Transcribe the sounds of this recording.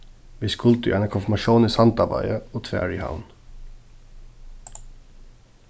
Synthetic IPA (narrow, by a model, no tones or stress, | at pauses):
ʋɪskʰʊlt̪ʉ̰ʔænəkʰʊnfmɑʃuːniːsɑnt̪ɑbɑ̰ɪəoːt̪ʰʋæ̰ːɹɪha̰ʊn